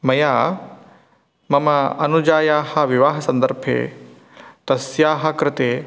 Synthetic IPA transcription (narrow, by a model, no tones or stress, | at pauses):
mɐjaː | mɐmɐɐ̰nud͡ʒaːjaːhɐʋiʋaːɦɐsɐ̃nd̪əɾbʱḛː | t̪ɐsjaːɦɐkɾɪt̪eː